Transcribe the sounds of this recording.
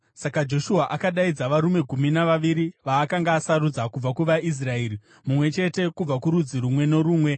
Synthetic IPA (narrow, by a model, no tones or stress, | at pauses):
sakad͡ʒo̞ʃuaʔakaɗaid͡zaʋaɾume̞ɡʱuminaʋaʋiɾiʋaːkaŋɡaːsaɾud͡zakub͡vakuʋais̬rae̞ːɾi | mumwe̞t͡ʃe̞te̞kub͡vakuɾud͡ziɾumwe̞no̞ɾuːmwe̞